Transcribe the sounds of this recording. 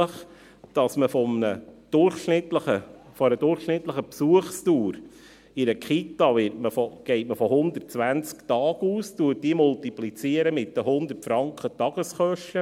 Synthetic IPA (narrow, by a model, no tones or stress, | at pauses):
əχ | d̥ɑsməfɔmnəd̥ʊrχʃnɪt̪ləə | fɔɾəd̥ʊrχʃnɪt̪ləχəpsuəχstuːɾ | ɪɾəkχit̪ɑʋɪtməfɔɡ̥ɛɪtməfɔɦʊnd̪ərt̚t͡sʋænt͡skt̪ɑːɡ̥uːstuət̚diːmʊltiplit͡siəɾəmɪt̚dəhʊnd̪ərtfɾɑŋkχətɑɡ̥əsχœʃtə